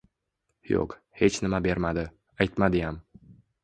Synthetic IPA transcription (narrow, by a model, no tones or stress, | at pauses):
jo̰q | he̞t͡ʃnɪmabe̞ɾmad̪ɪ | ajt̪mad̪ɪjam